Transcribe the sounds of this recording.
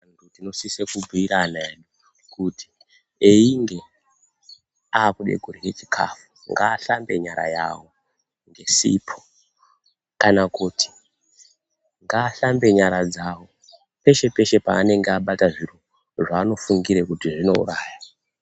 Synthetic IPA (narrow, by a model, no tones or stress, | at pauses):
ndutino̞sisekubʱiiɾanaeɗu | kuti̥ | eiŋɡe̞ | aːkuɗḛɡʱuɾijet͡ʃi̥kʰa̰fu̥ | ŋɡaːɬambe̞̰ɲaɾa̰ja̰wo | ŋɡe̞sḭpʰo̥ | kanakuːtʰi̥ | ŋɡaːɬambe̞ɲaɾad͡zawo̞ | pe̞ʃe̞pe̞ʃe̞pa̰ːne̞ŋɡeaɓataʐiɾu | ʐaːno̞fuŋɡiɾekutiʐino̞̰ṵraːja